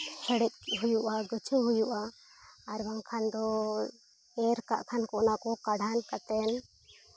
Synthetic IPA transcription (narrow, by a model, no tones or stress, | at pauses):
sɛɽɛt̪̚ɦujuʔaɡət͡ʃʰəɦujuʔaː | ɾbaŋkʰand̪ɔ | ɛɾka̰ʔkʰankɔʔnakɔkaɽ̤ʱankat̪ɛn